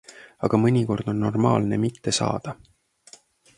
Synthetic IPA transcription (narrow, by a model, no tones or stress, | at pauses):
ɑɡ̥ɑmɤnʲiko̞rd̪̥o̞nːo̞rmɑːlnemit̪ːe̞sɑ̰ːd̪̥ɑ